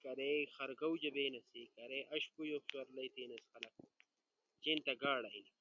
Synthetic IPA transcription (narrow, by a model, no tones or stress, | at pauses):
kɐɾexɐɾɡɐwd͡ʑɐbeːnɐsikɐɾeʔɐɕpujoɕwɐɾlɐjt̪iːnɐsxɐlɐk̚ | t͡ɕent̪ɐɡaːɽɐi